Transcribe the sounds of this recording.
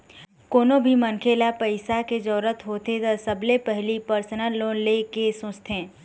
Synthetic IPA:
koːnobʱimənkʰeːlapəɪsaked͡ʒɔːɾət̪ɦoːt̪et̪əsəblepɛɦlipəɾsənəlːõːlekesʊ̃t͡ʃt̪ʰẽː

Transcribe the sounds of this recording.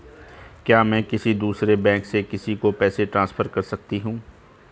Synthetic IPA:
kjaːmɛ̃ːkɪsid̪uːsɾebɛ̃ːŋksekɪsikopɛːseʈɾãːsfʰəɾkɐɾsɐk̚t̪iɦũː

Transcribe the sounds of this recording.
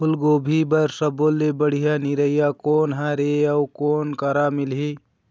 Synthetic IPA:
pʰʊlɡoːbʱibəɾsəboːlːebəɽ̤ijaniɾəɪjakoːnɦaɾeəwkoːnkəɾamɪlɦi

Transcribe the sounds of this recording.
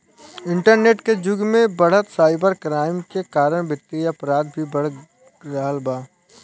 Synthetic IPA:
ɪ̃ɳʈəɾneːʈked͡ʒʊɡmẽbɐɽ̤ət̪saːɪpəɾkɾaːɪmkekaːɾəɽ̃bɪt̪ːiɐpɾaːd̪̚bʱibɐɽ | ɾəɦəlbaː

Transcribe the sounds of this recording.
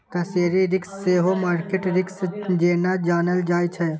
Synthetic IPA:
k̪ɐseːɾiɾɪksːeːɦomaːɾkeʈɾɪksd͡ʒeːnad͡ʒaːnəld͡ʒaːjt͡ʃʰɛ

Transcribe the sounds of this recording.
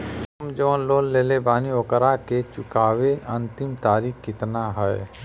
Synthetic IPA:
sɐmd͡ʒoːnloːnleːlebaːniʋəkəɾaket͡ʃʊkaːweʔɐ̃nt̪ɪmt̪aːɾiːkkɪt̪naɦɛe

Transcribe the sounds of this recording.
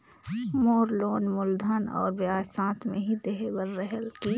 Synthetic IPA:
moːɾloːnmʊld̪ʱənɔ̰ːɾbjaːsãːt̪mḛ̃ɦid̪eɦebəɾːɛɦəlki

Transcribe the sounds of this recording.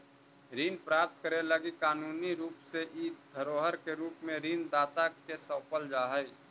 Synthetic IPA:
ɾiːnpɾaːp̚t̪kəɾeləɡikaːnuːniɾuːpseʔiːd̪̚d̪ʱəɾoːɦəɾkeɾuːpmẽɾiːnd̪aːt̪akesəːpəld͡ʒaːɦəi

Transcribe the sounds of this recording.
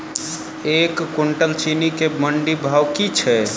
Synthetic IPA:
ekkuɳʈəlt͡ʃinikeməɳɖibʱawkit͡ʃʰɛ

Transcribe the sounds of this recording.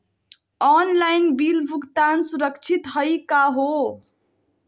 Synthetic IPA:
ɔnlajnbilbʱukt̪ansuɾəkt͡ʃʰit̪ɦəjkaɦo

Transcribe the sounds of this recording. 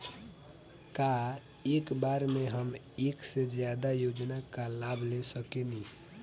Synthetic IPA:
ka | ekbaɾmeɦəm | eksed͡ʒjad̪ajod͡ʒnakalabʱlesəkeni

